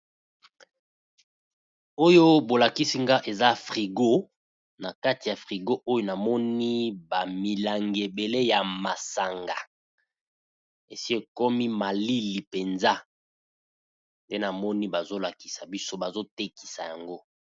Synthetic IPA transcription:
o˦jo˦bo˨la˨ki˦si˦ŋɡa˦ʔe˨za˦fʁi˨ɡo˦ | na˨ka˦ti˨ja˨fʁi˨ɡo˦ʔo˦jo˦na˨mɔ˦ni˦ba˨mi˨la˨ŋɡe˨be˨le˦ja˨ma˨sa˨ŋɡa˨ | ḛ˨si˦e˦˨kɔ˦mi˦ma˨li˦li˨pe˨nza˦ | nde˦na˨mɔ˦ni˦ba˨zo˦la˨ki̥˨sa˨bi˦so˦ba˨zo˦te˦ki̥˨sa˨ja˨ŋɡo˦

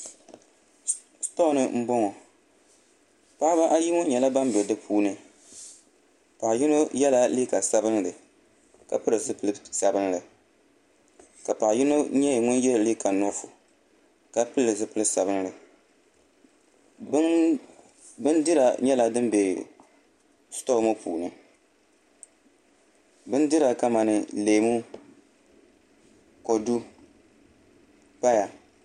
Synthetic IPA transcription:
stɔ˦˨nɨ˦m̩˦bɔ˦ŋɔ˨ | pa˦ba˦ʔa˦ji˦ŋɔ˦ɲɛ˨la˦ba˦m˦bɛ˨dɨ˦pʰuː˦nɨ˦ | pa˨ji˦no˦jɛ˦la˦liː˦ka˨sa˦bɨ˦nlɨ˨ | ka̰˨pɨ˦ɾɨ˨zɨ˦pɨ˨˦ɨ˦sa˨bɨ˦nlɨ˨ | ka˨pa˨ji˦no˦ɲɛ˦˨ŋʊ˦njɛ˦lli˦ka˨nɔ˦fʊ˨ | ka˦pɨ˦lːɨ˨sɨ˦pɨ˦lɨ˦sa˨bɨ˦n˦lɨ˨˦ | bɨ˦ndɪ˦ɾa˨ɲɛ˦la˨dɨ˦mbe˨ | sto˦mo˦pʰṵː˨nɨ˨ | bɨ˦ndɪ˦ɾa˨ka˦ma˨nɨ˨leː˨mu˦ | ko˨du˦ | pa˦ja˨

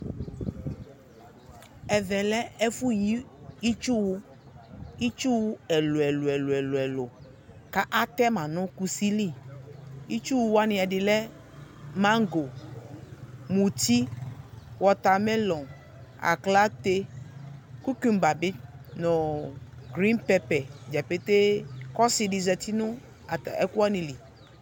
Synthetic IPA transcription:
ɛ˨vɛ˨lɛ˦ɛ˦fu˦ji˦i˦t͡ʃu˦wu˦ | i˦t͡ʃu˦wu˦ɛ˨lo˨ɛ˨lo˨ɛ˨lo˨ɛ˨lo˨ɛ˨lo˨ | ka˦ʔa˦t̪ɛ˦mã˨nɔ̃˦ku˦si˦li˦˨ | i˦t͡ʃu˦wu˦wa˦nɪ̃˨a˨ɖɪ˨lɛ˦ | mã˦ŋ˦ɡo˨ | mũ˨t̪i˦ | wɔ˨t̪a˨mɛ̃˦lɔ̃˨ | a̰˨kla˦t̪e˦ | ku˦ki˨mba˨bɪ˦nɔ̃˨ɡɾi˦npɛ˦pɛ˨d͡ʒa˨pe˦t̪e˦kɔ˦si˨ɖɪ˨zɛ˨t̪i˦nʊ̃˦ | a˨t̪a˨ɛ̰˨ku˦a˦nĩ˨li˨

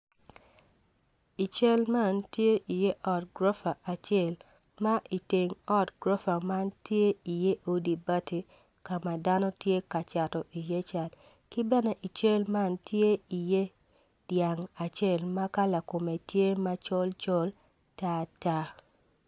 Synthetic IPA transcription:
i˨t͡ʃe˦lma˦˨ntje˦ʔi˨je˦ʔɔ˦tɡɾo˦fa˨ʔa˨t͡ʃɛ˦˨l | ma˦ʔi˨te˨ŋɔ˦tɡɾo˦fa˨ma˦ntje˦i˨je˦ʔo˦di˨ba˦ti˨ | ka˨ma˨da˦nɔ˦tje˦ka˨t͡ʃa˨tɔ˨ʔi˨je˦t͡ʃa˨d | kɪ˦bɛ˦nɛ˦ʔi˨t͡ʃe˦lma˦ntje˦i˨je˦ | d̥ja˨ŋa˨t͡ʃe˦˨lma˦ka˦la˨ko˨me˨tje˦ma˦t͡ʃo˦lt͡ʃo˦l | ta˦ta˦

